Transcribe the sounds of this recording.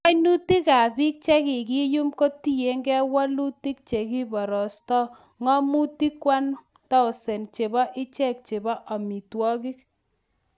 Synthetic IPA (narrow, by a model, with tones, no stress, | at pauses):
a˦jnu˦ti˦ka˨pi˦k̚t͡ʃɛ˦kɪ˨k̬i˦ju˦mko˦ti˦je˨˦ŋɡɛ˦wa˦lu˦ti˦k̚t͡ʃe˨ki˦bɔ˨ɾɔ˨stɔ˦ | ŋɔ˦mu˦ti˦kwa˦n | ta˦ʊ˨sɛ˨nt͡ʃe˨bɔ˦ʔɪ˦t͡ʃɛ˦˨k̚t͡ʃe˨bɔ˦ʔa˨mi˨twɔ˦ki˦k̚